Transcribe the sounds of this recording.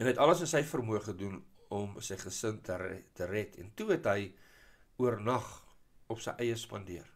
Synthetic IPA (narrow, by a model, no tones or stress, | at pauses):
ɛnɦɛtɐləsənsəjfərmuəχədunɔmsəjχəsəntʰərtərɛtʰɛ̰ntuɦɛtɦəj | uərnɐχɔpsə̰jʔɛjəspɐndiər